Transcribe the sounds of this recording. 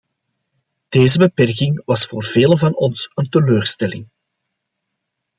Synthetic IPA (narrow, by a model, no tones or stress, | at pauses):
d̥eːzəbəpɛrkɪŋʋɑsfoːrv̥eːləvɑnɔnsənt̪əløːrstɛlɪŋ